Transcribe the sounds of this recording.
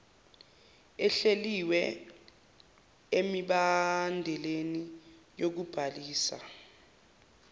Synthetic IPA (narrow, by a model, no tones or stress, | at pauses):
ɛɬeliwɛ | emiɓandʱɛleni | jok̬ub̥ʱaliːsa̰